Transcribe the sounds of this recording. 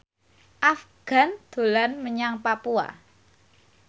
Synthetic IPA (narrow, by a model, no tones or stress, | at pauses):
ʔafɡ̥a̤nd̪̥o̤lanməɲaŋpapua̰